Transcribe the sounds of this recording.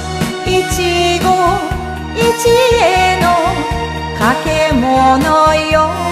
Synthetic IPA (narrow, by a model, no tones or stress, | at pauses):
it͡ɕiɡo | it͡ɕijeno | kakʰemɔnɔjo